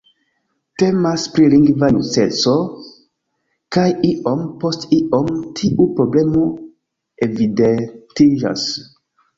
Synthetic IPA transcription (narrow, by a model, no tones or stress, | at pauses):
te̞maspɾiliŋɡvanuset͡so | kajiʔompo̞stiʔo̞mtʰiʔupɾo̞ble̞mo | evidentid͡ʒa̰s